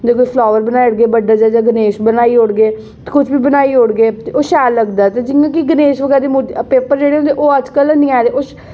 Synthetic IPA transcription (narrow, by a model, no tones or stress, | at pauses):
d͡ʒeːkʊd͡ʒpʰlɔːʋəɾbənaːeəɽɡeːbəɖaːd͡ʒaːd͡ʒãːɡəneːʃbənaːiːɦoːɽɡeː | t̪ːkʊt͡ʃʰbiːbənaːiːɦoːɽɡeːt̪eoːʃɛːlːəɡd̪aːt̪ed͡ʒɪãːkiɡəneːʃʋəɡɛːd̪eːmũpeːpəɾd͡ʒeːɽeːɦõnd̪eːʔoːəd͡ʒkəlnĩːãːd̪eːʔoː